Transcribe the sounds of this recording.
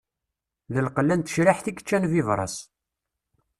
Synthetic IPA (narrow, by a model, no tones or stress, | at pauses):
ðəlqəlːænt̪ə̥ʃɾiħθiɡət͡ʃːænvivɾˤɑ̰s